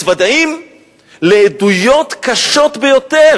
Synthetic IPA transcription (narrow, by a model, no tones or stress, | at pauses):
vad̪aim | leːdujo̞t̪kaʃo̞t̪bejo̞t̪e